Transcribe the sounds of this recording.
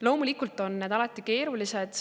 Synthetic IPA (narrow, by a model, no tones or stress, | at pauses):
lo̞ːmulikult̪ːˑo̞nːe̞ːd̪ɑlɑt̪ˑːike̞ːɾulise̞d̪̥